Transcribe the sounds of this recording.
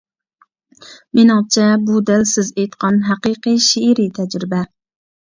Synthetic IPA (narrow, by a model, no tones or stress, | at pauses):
menɨŋt͡ʃʰɛbud̪ælsɪzejt̪qʰɑnɦæqiqɨʃeɾit̪ʰɛd͡ʒɾɪbɛ